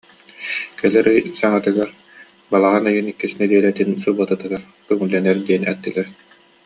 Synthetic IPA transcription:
kɛlɛɾɯjsaŋat̪ɯɡaɾ | balˠaʁanɯjɯnikːisinɛd̪iɛlɛt̪insubat̪at̪ɯɡaɾ | kœŋulːɛnɛɾd̪iɛnɛ̰t̪ːilɛɾ

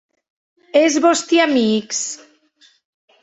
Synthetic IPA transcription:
ezβost̪iamiks

